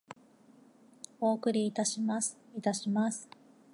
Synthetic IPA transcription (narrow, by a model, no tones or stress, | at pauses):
o̞ːkɯ̟ɾʲiːt̪aɕimasɨ̥it̪aɕimasɨ̥